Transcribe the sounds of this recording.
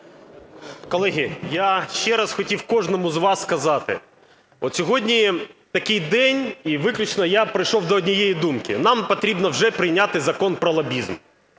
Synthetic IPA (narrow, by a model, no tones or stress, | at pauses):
kɔlˠɛɦʲɪjaʃt͡ʃɛɾɑsxɔtʲiwkɔʐnɔmʊzʋɑsːkɐzɑt̪ɪ̰ | ɔt̪sʲɔɦɔdʲnʲit̪ɐkɪjd̪ɛnʲiʋɪklʲʊt͡ʃnɔjapɾɪjʃɔwd̪ɔːdʲnʲijejid̪umkɪnɑmpɐt̪ɾʲibnɔwʒɛpɾɪjnʲat̪ɪzɐkɔnpɾɔlˠɐbʲizm